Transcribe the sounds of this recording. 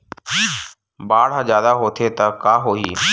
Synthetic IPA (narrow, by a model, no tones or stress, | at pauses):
baːɽãzjaːd̪aɦoːt̪ʰet̪ɐkaːɦoːiː